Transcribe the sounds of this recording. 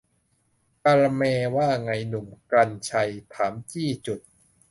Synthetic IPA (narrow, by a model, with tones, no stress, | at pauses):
ka˧ɾa˧mɛː˧waː˥˩ŋa˧jnu˨˩mkɾa˧nt͡ɕʰa˧jt̪ʰaː˩˦mt͡ɕiː˥˩t͡ɕu˨˩t̪̚